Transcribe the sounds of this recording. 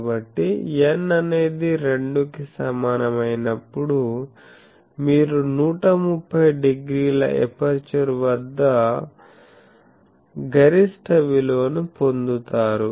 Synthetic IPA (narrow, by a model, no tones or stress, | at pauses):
bɐʈːijenːɐne̞ːd̪iɾe̞ɳɖukisɐmaːnɐmɐjnɐpːuɽu | miːɾunuːʈɐmupʰːɐjɖeɡɾiːlɐ̰ʔḛpɐɾt͡ʃɐɾʋɐd̪ːɐ | ɡʱɐɾisʈɐʋilo̞ːnupo̞nd̪ut̪aːɾu